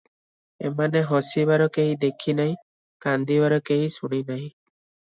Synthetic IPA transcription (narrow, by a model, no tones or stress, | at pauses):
ḛmaneɦɔsibaɾɔkeɦĩd̪ekʰinaɦĩ | kand̪ibaɾɔkeɦĩsuɽ̃inaɦĩ